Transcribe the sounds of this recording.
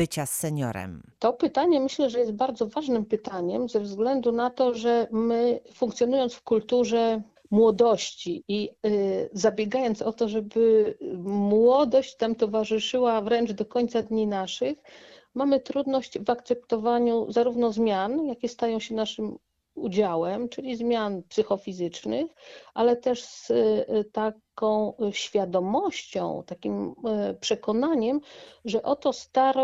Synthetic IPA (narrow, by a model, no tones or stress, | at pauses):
bɘt͡ɕasːɛɲɔ̰ɾɛ̰mt̪ɔpɘt̪aɲɛmɘɕlɛʐɛjɛst̪̚baɾd̪zɔvaʐnɘmpɘt̪aɲɛmzɛvzɡlɛnd̪unat̪ɔʐɛmɘfũŋkt̪sʲjɔn̪ujɔnt̪sfkult̪uʐɛ | mwɔd̪ɔɕt͡ɕii | zabʲjɛɡajɔnt̪sɔt̪ɔʐɛbɘ | mwɔd̪ɔɕt͡ɕt̪amt̪ɔvaʐɘʂɘwavɾɛnd͡ʐd̪ɔkɔɲt̪sad̪ɲinaʂɘx | mamɘt̪ɾud̪nɔɕt͡ɕvakt̪sɛp̚t̪ɔvaɲuzaɾuvnɔzmʲjanjakʲɛst̪ajɔ̃w̃ɕɛnaʂɘm | ud͡ʑawɛmt͡ʂɘlʲizmʲjanpsɘxɔfʲizɘt͡ʂnɘxʔalɛt̪ɛʂst̪akɔ̃w̃ɕfʲjad̪ɔmɔɕt͡ɕɔ̰̃w̃t̪akʲimpʂɛkɔnaɲɛmʐɛʔɔt̪ɔst̪aɾɔ